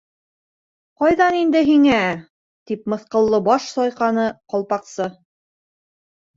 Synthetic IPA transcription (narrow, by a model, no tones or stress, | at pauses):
qɑjðɑnind̪ɘɦiŋæ | t̪ipmɤ̆θqɤ̆lˠːɤbɑʃsɒjqɑnɤqɒlˠpɑqsɤ